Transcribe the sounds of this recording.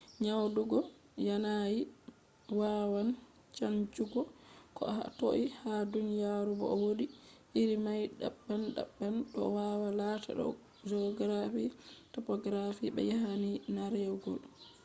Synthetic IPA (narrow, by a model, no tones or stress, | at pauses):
ɲawduɡɔ | janaji | wawan | t͡ʃant͡ʃuɡɔkɔha̰to̰ʔihadunijaɾubɔ̰ɔwoɗiʔiɾimajɗa̰ɓːanɗa̰ɓːanɗɔ̰wawalatʰa̰ɗɔ̰ | d͡ʒɔɡɾafitɔpɔɡɾafiɓɛ̰jahaninaɾɛwɡɔ̰l